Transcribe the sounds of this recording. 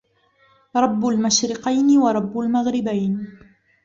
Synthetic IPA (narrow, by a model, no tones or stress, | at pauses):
ɾˤɑbːalmaʃɾɪqɑjnɪwɑɾˤɑbːalmaɣɾɪbajn